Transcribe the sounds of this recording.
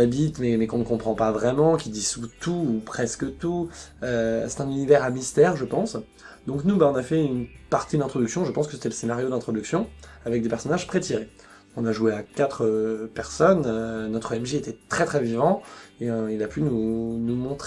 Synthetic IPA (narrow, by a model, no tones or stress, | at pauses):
abit̪mɛmɛkɔ̃nəkɔ̃pχɑ̃pavʁɛmɑ̃kʲid̪isut̪uːpχɛskət̪uøsɛ̥t̪ɛ̃nynivɛʁamist̪ɛːʁʒəpɑ̃s | d̪ɔ̃knubaɔ̃nafɛynpaʁt̪id̪lɛ̃t̪χɔd̪yksjɔ̃ʒəpɑ̃skə̥se̥t̪ɛləsenaʁjod̪lɛ̃t̪χɔd̪yksjɔ̃avɛk̚d̪epɛʁsɔnaʒpχet̪iʁẽ | kɔ̃naʒueakat̪χəpɛʁsɔnønɔt̪χəɛmʒeet̪ɛt̪χɛt̪χɛvivɑ̃ẽilapʰynunumɔ̃t̪χe